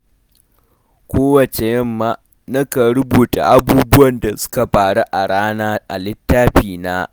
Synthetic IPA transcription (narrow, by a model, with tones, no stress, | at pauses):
kʷoː˦wɐ˨t͡ʃe˨jɐ˦mːaː˦ | na˦ka˨ɽʊ˦buː˨ta̰˨ʔa˦buː˦bʊ˦wɐ˨nda˨sʊ̥˦ka˨ɸaː˨ɽa˦ʔa˨ɽaː˦naː˦ʔa̰˨lɪ˦tːaː˦ɸiː˨naː˦